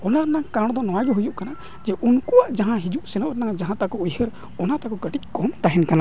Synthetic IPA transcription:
ɔnaɾɛnaŋkaɾɽ̃ɔd̪ɔnɔwaɡɛɦujuʔkana | d͡ʒɛʔunkuwaʔd͡ʒaɦãɦid͡ʒuʔsɛnɔʔɾɛnaŋd͡ʒaɦãt̪akɔujhəɾ | ɔnat̪akɔkəʈic̚ˀkɔmt̪aɦɛnkana

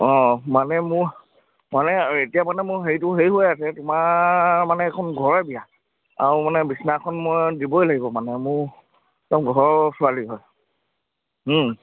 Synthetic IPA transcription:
ɔ̃manɛmʊɹ | manɛetijamanɛmʊɹɦejtʊɦejɦojasɛtʊmamanɛːkʰɔnɡʱɔɹɛbija | a̰ɹumanɛbisnakʰɔnmojdibɔjlaɡibɔmanɛmʊɹ | tamɡʱɔɹsʊaliɦɔj

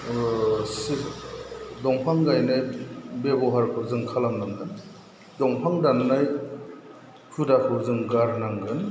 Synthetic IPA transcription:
s | dɔŋpʰaŋɡajnɯjbebɔɦaɾkʰɯzɯŋkʰalamnaŋɡɯn | dɔŋpʰaŋdanːaj | pʰudakʰɯzɯŋɡaɾnaŋɡɯn

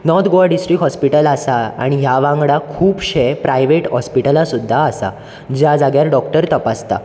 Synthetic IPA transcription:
nɔt̪ʰɡoaɖisʈɾiːɦɔspiʈəlasaa̰ɽ̃iɦjaʋãŋɡɽakʰuːpɕepɾajʋeʈɦɔspiʈəlasud̪ʱːaːsa̰ | d͡ʑjad͡zaɡjaɾɖɔkʈəɾt̪əpast̪a̰

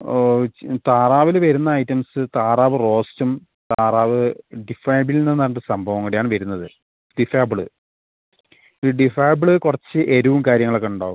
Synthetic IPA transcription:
t̪aːraːʋilʋɐɾunːɐːjtːɐmsɨt̪aːraːʋɨro̞ːstum | t̪aːraːʋɨɖifɐjɐbilnenːɐːɳɖsɐmbʱɐʋɐŋːɐɽejaːɳɨʋɐɾun̪ːɐðɨ | ɖifaːbɨɭɨ | ɖifaːjbɭɨkurɐt͡ɕːɨʔe̞ɾuʋumkaːɾjɐŋːɐɭokːeuɳɖa̰ːɣum

